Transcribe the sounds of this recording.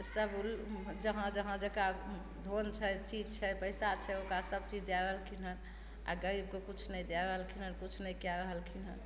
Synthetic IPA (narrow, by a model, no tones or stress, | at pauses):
səbuld͡ʒəɦãd͡ʒəɦãd͡ʒəka | d̪ʱont͡ʃʰɛt͡ʃid͡ʒt͡ʃʰɛbəjsat͡ʃʰɛokɾasəb̚t͡ʃid͡ʒd̪jaɾəɦəlkʰinən | a̰ɡəɾib̚kekut͡ʃʰnəjd̪jaɾəɦəlkʰin̤ənkut͡ʃʰnəjkjaɾəɦəlkʰinɦən